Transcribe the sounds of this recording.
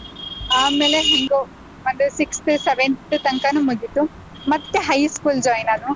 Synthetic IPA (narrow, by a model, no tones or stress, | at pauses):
aːmeːleɦiŋɡo | mɐnd̪usikst̪ʰiseʋenut̪ɐŋkɐnumud̪it̪u | mɐd̪eɦɐjskuːld͡ʒɔːjnanu